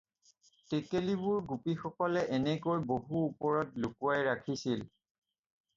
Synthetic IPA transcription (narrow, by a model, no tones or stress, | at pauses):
tekelibʊɹɡupixɔkɔlɛʔɛnɛkojboɦuːpɔɹɔtlʊkuajɹakʰisil